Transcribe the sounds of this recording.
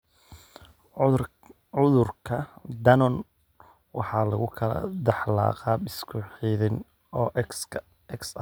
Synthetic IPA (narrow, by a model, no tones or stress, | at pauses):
ʊðʊrkʰɐd̪ɐnɔn | wɑħɑːlɐɣʊkʰɐlɐ̰d̪ɑħlɑ̰ːqɑːbɪskʰʊħiːðɪn | ɔː | ɛksɐ